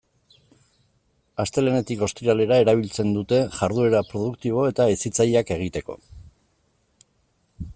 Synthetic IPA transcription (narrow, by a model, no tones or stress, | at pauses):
ast̪e̞lene̞t̪iko̞st̪iɾale̞ɾae̞ɾaβ̞ilt͡se̞nd̪ut̪e̞ʝaɾðue̞ɾapɾo̞ð̞ukt̪iβ̞o̞e̞t̪aesit͡sajake̞ɣ̞it̪e̞ko̞̰